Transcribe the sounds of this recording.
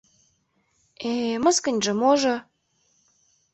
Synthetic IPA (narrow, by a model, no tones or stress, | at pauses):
emə̆skə̆nʲʒɤ̆moʒo